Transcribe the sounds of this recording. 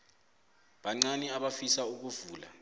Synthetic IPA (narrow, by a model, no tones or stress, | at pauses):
ɓaŋ͡ǀanɛaɓafisauk̬uvuːla̰